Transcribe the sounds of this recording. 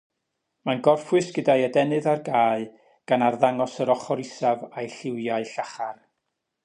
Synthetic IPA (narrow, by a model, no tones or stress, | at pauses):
manɡɔrfwɨsɡ̥ədajɛdɛnɨðarɡaːɨ | ɡ̥anarðaŋɔsəɾɔχɔɾɪsavajɬɪwjaɨɬaχar